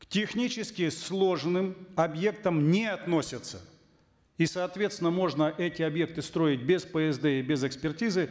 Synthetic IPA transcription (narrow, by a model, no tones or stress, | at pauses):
ktʲɪxnʲit͡ɕɪskʲɪslˠo̞ʐnɨmɐbje̞kt̪əmnʲɪɐt̪no̞sʲɪt̪sə̰ | isɐːt̪vʲe̞t̪st̪ʲɪnəmo̞ʐnəʔɛtʲɪɐbje̞k̚t̪ɨst̪ɾo̞ɪt̚ʲbʲɪspəɛzd̪ɛibʲɪzɛkspʲɪrtʲizɨ